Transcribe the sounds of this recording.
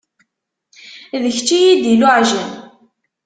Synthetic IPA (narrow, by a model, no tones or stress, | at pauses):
ðəçt͡ʃːijid̪ilʊʕʒən